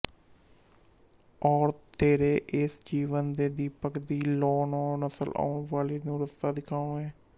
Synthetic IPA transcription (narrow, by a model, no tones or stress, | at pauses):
ɔːɾt̪eːɾeːʔɪsd͡ʒiːʋənd̪eːd̪iːpəkd̪iːlɔːnõːnəsəlʔa̰ːʊɳʋaːleːnũːɾəst̪aːd̪ɪkʰaːõːɛ̃ː